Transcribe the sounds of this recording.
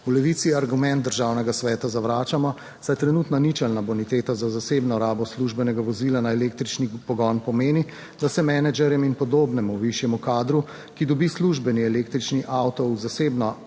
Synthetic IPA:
ulɛʋit̪siaɾɡumɛ̃nt̪̚d̪əɾʒaːwnɛɡasʋɛːt̪azaʋɾaːt͡ʃamɔ | sajt̪ɾɛnuːt̪nɔnit͡ʃɛlnabɔnit̪eːt̪azazaseːbnɔɔɾaːbɔsluʒbɛnɛɡaʋɔziːlanaɛlek̚t̪ɾit͡ʃnipɔɡɔnpɔmeːni | d̪asɛmɛnɛd͡ʒɛɾjɛminpɔd̪oːbnɛmuʋiʃjɛmukaːd̪ɾu | kid̪ɔbisluʒbɛniɛleːk̚t̪ɾit͡ʃniʔawt̪ɔwzaseːbnɔ

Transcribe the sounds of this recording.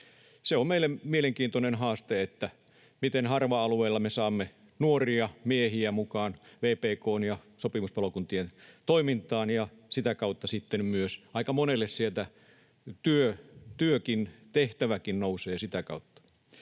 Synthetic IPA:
seommeilːˑemmieleŋkiːnt̪onenhɑːst̪eet̪ːæ | mit̪enhɑrʋɑɑlueilːɑmesɑːmːe | nuoriɑmiehiæmukɑːnʋeːpeːkoːnjɑsopimuspɑlokunt̪ient̪oimint̪ˑɑːnjɑsit̪ækɑut̪ːɑsit̪ːemmyøsʔɑikɑmonelːessielt̪æ | t̪yøt̪yøkint̪eht̪æʋækinnouseːsit̪ækɑ̰ut̪ːɑ̥

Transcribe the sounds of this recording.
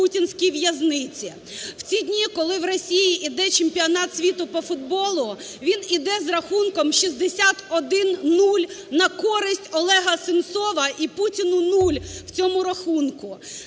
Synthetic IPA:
utʲinsʲkʲijʋjɐznɪt͡sʲi | w̥t͡sʲidʲnʲikɔlˠɪwrɔsʲijiʔid̪ɛt͡ʃempʲiɔnɑt̪sʲʋʲit̪ʊpɔfʊd̪̚bɔlˠʊ | ʋʲinid̪ɛzrɐxunkɔmʃizd̪esʲat̪ɔd̪ɪnnːulʲnɐkɔɾɪsʲtʲɔlˠɛɦɐsɪnt̪sɔʋɐʔiputʲinʊnulʲw̥t͡sʲɔmʊɾɐxunkʊ

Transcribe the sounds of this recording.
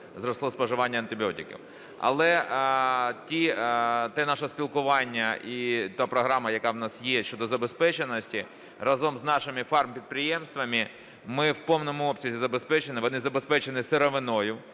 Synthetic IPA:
zɾɔslˠɔspɔʒɪʋɑnʲːɐnt̪ɪbʲɔtʲɪkʲḭw | ɐ̰lˠɛ | tʲit̪ɛnɑʃɐsʲpʲilˠkʊʋɑnʲːɐʔit̪apɾɔɦɾɑmɐjɐkɑwnɑsjɛʃt͡ʃɔd̪ɔzɐbespɛt͡ʃenɔsʲtʲi | rɐzɔmznɑʃɪmɪfɑrmpʲid̪̚pɾɪjɛmst̪ʋɐmɪ | mɪwpɔwnɔmʊɔpsʲɐzʲizɐbespɛt͡ʃenɪʋɔnɪzɐbespɛt͡ʃenɪseɾɔʋɪnɔjʊ

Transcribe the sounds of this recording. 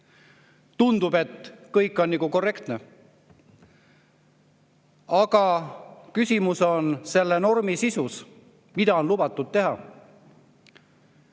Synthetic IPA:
t̪und̪̥ube̞t̪kɤjkːˑo̞nːiɡuko̞rːe̞kt̪ne̞ | ɑɡ̥ɑkysʲimuso̞nse̞lːe̞no̞rmisisus | mid̪̥ɑo̞nlubɑt̪ːˑud̪̥̚t̪e̞ɦɑ

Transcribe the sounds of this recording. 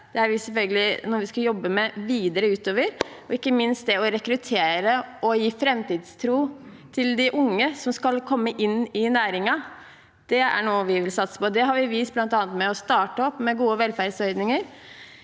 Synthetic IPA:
d̪̥ɛæɾʋɪsɛlfœlɡəlɪnɔɾʋɪskɑjɔbːəmɛʋiːd̪əɾəʉːt̪oːʋəɾɔɪkːəmɪnst̪̚d̪ɛɔɾɛkɾʉt̪ʰeːɾəʔɔjiːfɾɛmt̪iːd̪st̪ʰɾuː | t̪ʰɪld̪ɪʔʊŋːəsɔmskɑlkʰɔmːəʔɪnːɪnæːɾɪŋɑ | d̪̥ɛæ̰ɳuːəʋɪʋɪlsɑt̪sə̥pɔd̪ɛɦɑɾʋɪʋiːs̚blɑnt̪ɑːnət̪mɛɔst̪ɑːʈəɔpːmɛɡuːəʋɛlfæɾd̪sœʏd̪nɪŋəɾ

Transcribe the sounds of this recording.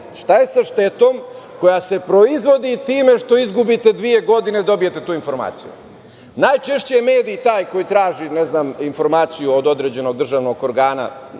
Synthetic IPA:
ʃt̪aje̞saʃt̪e̞t̪o̞ːm | ko̞jase̞pɾo̞izʋo̞d̪it̪iːme̞ʃt̪o̞izɡubit̪e̞d̪ʋie̞ɡo̞d̪ined̪o̞bije̞t̪e̞t̪uːinfo̞ɾma̰ːt̪sijṵ | naːjt͡ʃe̞ʃt͡ɕejeme̞ːd̪it̪aːjko̞jit̪ɾaːʒineznaːminfo̞ɾmaːt̪sijuod̪o̞d̪ɾed͡ʑe̞no̞ɡ̚d̪r̩ʒaːʋno̞ɡo̞ɾɡaːna̰

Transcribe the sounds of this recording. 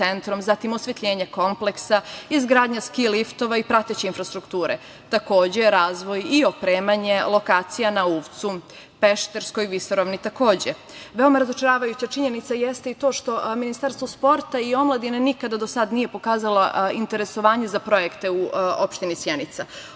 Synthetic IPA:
ent̪ɾo̞mzat̪imo̞sʋet̪ʎʲeːɲeko̞mple̞ksaizɡɾaːd̪ɲaskilift̪o̞ʋaipɾat̪et͡ɕeinfɾast̪ɾukt̪uːɾḛ | t̪ako̞ːd͡ʑeɾaːzʋo̞jio̞pɾeːmaɲe̞lo̞kaːt̪sijanauːʋt̪su | pe̞ʃt̪e̞ɾskojiʋisoɾoʋnit̪ako̞ːd͡ʑe | ʋe̞o̞maɾazo̞t͡ʃeɾaːʋajut͡ɕat͡ʃiɲe̞nit̪sajest̪eit̪oːʃt̪o̞minist̪aːɾst̪ʋospo̞ɾt̪aio̞mlˠad̪inenikad̪ad̪osad̪nije̞pokaːzaloint̪eɾe̞so̞ʋaːɲe̞zapɾo̞jekt̪euopʃt̪inisjenit̪sa

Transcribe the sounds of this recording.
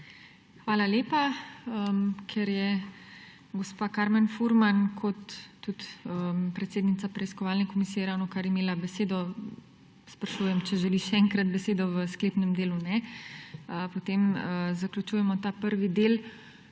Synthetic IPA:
xʋaːlaljeːpaəkʰɛɾjɛ | ɡospaːkaɾmɛnfuɾmankʰɔt̪ːut̪əpɾɛt̪seːd̪nit̪sapɾɛiskɔʋaːlnɛkomisijɛɾawnɔkaɾimeːlabɛseːd̪ɔ | spɾaʃuːjɛmt͡ʃɛʒɛliʃɛɛŋkɾat̪bɛseːd̪ɔʋəsklepnɛmd̪eːlunɛ | əpot̪eməzaklʲut͡ʃujɛmɔt̪aːpəɾʋid̪eːl

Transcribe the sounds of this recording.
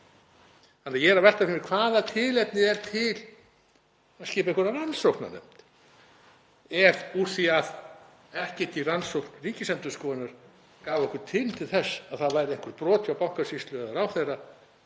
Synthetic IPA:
hanːajɛːɾavɛr̥t̪afɪnɪɾkʰvaːðat̪ʰɪlɛt̪nɪɛɾ̥t̪ʰɪl | aðscɪːpaeŋkʰɾnaransowkna̰nɛ̰m̥t̪ | ɛɾu̥θviað | ɛhcɛt̪iransowknriːcɪsɛnt̪ʏskɔːɪnaɾ̥ | kaːvɛhkʏɾ̥t̪ʰɪlt̪ʰɪlθɛsːaðθaðvaːjɾɪejŋkʏɾt̪pɾɔːt̪ʰʏawpawŋ̥kasist̪lʏðaɾawθejrːa

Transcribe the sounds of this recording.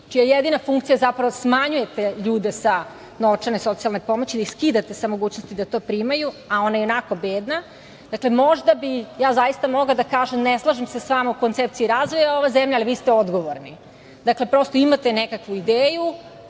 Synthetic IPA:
t͡ʃijajed̪inafuŋkt̪sijazapɾaʋosmaɲuje̞t̪eʎuːd̪e̞sa | noʋt͡ʂaneso̞t̪sialnepo̞mot͡ɕid̪aiskiːd̪at̪e̞samo̞ɡuːt͡ɕnost̪id̪at̪o̞ːpɾiːmajuao̞najeo̞nakobeːd̪na | d̪akle̞mo̞ʒd̪abijaːzajist̪amo̞ɡlad̪akaːʒemneslˠaʒimsesʋamauko̞nt̪sep̚t̪siiɾaːzʋo̞jao̞ʋazemʎaaliʋiːst̪eo̞d̪ɡo̞ʋoɾni | d̪akle̞pɾo̞st̪o̞imat̪e̞nekakʋuid̪eːju

